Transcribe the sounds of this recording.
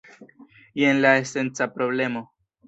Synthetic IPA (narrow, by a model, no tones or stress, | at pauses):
jenlaese̞nt͡sapɾo̞ble̞mo̞